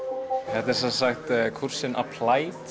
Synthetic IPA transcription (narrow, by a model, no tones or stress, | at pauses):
hɛt̪ɛsasaxt̪kʰur̥sɪnʔa̰pʰlaːjt̪